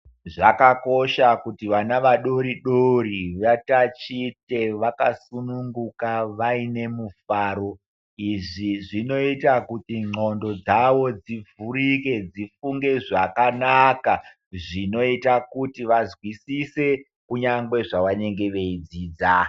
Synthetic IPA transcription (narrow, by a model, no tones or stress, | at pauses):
ʐakako̞ʃakutiʋanaʋaɗo̞ɾiɗoriʋatat͡ʃite̞ʋakasunuŋɡukaʋaine̞mufaːɾo̞ | iʐiʐino̞itakutiŋ͡ǃo̞ndo̞d͡zaʋo̞d͡zivurike̞d͡zifuŋɡe̞ʐakanaka | ʐino̞itakutiʋazwisise̞ | kuɲaŋɡwe̞ʐaʋane̞ŋɡe̞ʋe̞id͡ziːd͡za